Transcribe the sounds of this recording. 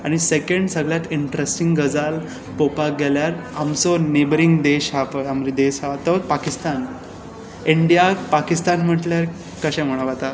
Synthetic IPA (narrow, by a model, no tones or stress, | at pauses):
aɽ̃isekə̃ɳɖsəɡɭjat̪iɳʈɾesʈiŋɡɡəd͡zal | popaɡɛljaɾamsɔnebɾiŋɡd̪eɕapəamɾid̪esɦat̪əpakist̪an | iɳɖijapakist̪anm̤əʈljaɾ | kəɕɛ̃m̤əɽ̃aʋat̪a